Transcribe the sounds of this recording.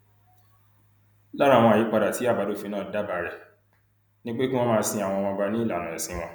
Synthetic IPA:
la˦ɾa˦˨wɔ̃˧˨i˨˦k͡pa˧da˨ti˨˦a˦˨ba˨˦do˦fĩ˧nãː˦˨˦da˦ba˨˦ɾɛ˨ | nĩ˦k͡pe˦ki˦wɔ̃˦mãː˦˧sĩ˧a˨w̃ɔ̃˧wã˧ɡ͡ba˧nĩ˦i˦˨la˨nã˨ɛ˨sĩ˨˦w̃ɔ̃˦

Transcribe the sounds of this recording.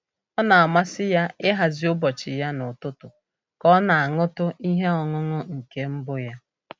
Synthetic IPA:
ɔ˦na˨a˨ma˦sɪ˦ja˦ɪ˦ɦa˨zi˦ʊ˦bɔ˨t͡ʃɪ˨ja˦nʊ˨tʊ˦tʊ˨ | kɔ˦na˨a˨ŋʊ˦tʊ˦i˦ɦe˦ɔ˨ŋʊ˦ŋʊ˦ŋ̩˨ke˦m̩˦bʊ˦ja˦

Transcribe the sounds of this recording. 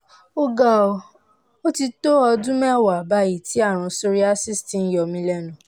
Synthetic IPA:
o˧ɡa˨o˨ | o˦ti˧to˦ɔ˧dũ˦mɛ˦˨wa˨ba˧˦ji˦˨ti˨˦a˦˨ɾ̃ũ˧so˧ɾi˦a˦si˦˨sti˨˦n̩˦jɔ˨mĩ˧lɛ˦˨nũ˨

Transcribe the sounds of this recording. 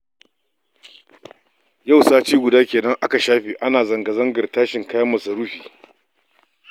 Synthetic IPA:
ja˦˨wsaː˦t͡ʃiː˦ɡʷʊ˨daː˦kʲeː˨nɐ˦ŋʔa˦ka˨ʃaː˦ɸiː˨ʔa˦naː˨zɐ˨ŋɡɐ˨zɐ˦ŋɡɐ˨rtaː˦ʃɪ˨ŋkaː˦jɐ˦mɐ˨sa˨ɾu˦ɸiː˨

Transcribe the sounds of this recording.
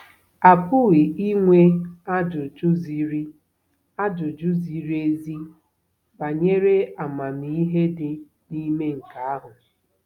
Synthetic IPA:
a˨pʊ˦ɣi˨i˦ŋʷe˦a˦d͡ʒʊ˨d͡ʒʊ˦zi˦ɾi˦ | a˦d͡ʒʊ˨d͡ʒʊ˦zi˨ɾi˦e˦zi˦ | ba˨ɲe˦ɾe˦a˨ma˨mi˨i˦ɦe˦dɪ˨ | ni˦me˦ŋ̩˨ka˨a˦ɦʊ˨

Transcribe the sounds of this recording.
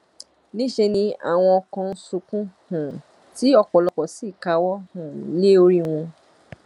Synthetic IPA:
nĩ˦ʃe˧nĩ˧a̰˨w̃ɔ̃˧ɔ˧kã˧n̩˦sũ˧kũ˦hũ˨ | ti˨˦ɔ˧k͡pɔ˨lɔ˧k͡pɔ˨si˦˨ka˧wɔ˦hũ˨nĩ˦o˧ɾi˦w̃ɔ̃˧

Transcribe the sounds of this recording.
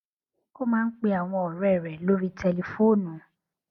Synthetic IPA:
ko˦mãː˦n̩˦k͡pe˦a˨w̃ɔ̃˧ɔ˨ɾɛ˦˨ɾɛ˨lo˦ɾi˦tʰɛ˧le˨fo˦˨nũ˨

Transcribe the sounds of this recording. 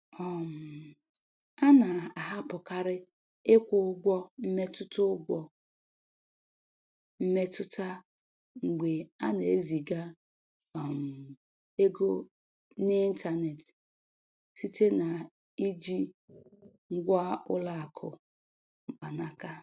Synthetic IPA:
ɔ˨m̩˨ | a˦na˨a˨ɦa˦pʊ˨ka˦ɾɪ˦ | ɪ˦kʷʊ˨ʊ˦ɡʷɔ˦m̩˦me˦tʊ˦tʊ˦ɡʷɔ˨ | m̩˦me˦tʊ˦ta˦ | ŋ͡m̩˨ɡ͡be˨a˦ne˨e˦zi˨ɡa˦ | ɔ˨m̩˨ | e˦ɡo˦ | nɪ˦n̩˦ta˦ne˨t | si˦tʰe˦na˨ | i˦d͡ʒi˦ | ŋ̩˦ɡʷa˦ʊ˦la˦a˨kʰʊ˨ | ŋ͡m̩˨k͡pa˨na˦ka˦

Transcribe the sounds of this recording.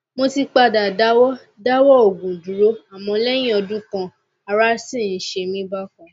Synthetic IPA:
mo˧ti˧k͡pa˧da˨da˦wɔ˦ | da˦wɔ˦o˨ɡũ˨du˨˦ɾo˦a˦˨mɔ̃˧lɛ˦j̃ĩ˦ɔ˧dũ˦kã˧ | a˧ɾa˦sĩ˦˨n̩˨˦ʃe˧mĩ˦ba˦kɔ̃˧

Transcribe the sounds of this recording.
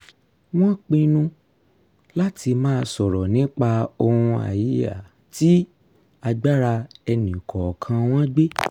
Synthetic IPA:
w̃ɔ̃˦k͡pĩ˧nũ˦ | la˦tʰi˧mãː˦˧sɔ˨ɾɔ˨nĩ˨˦k͡pa˧o˧hũ˧a̰˨ji˨˦ja̰˨ | ti˦ | a˧ɡ͡ba˦ɾa˧ɛ˧nĩ˨kʰɔ˨kʰã˧w̃ɔ̃˦ɡ͡be˦

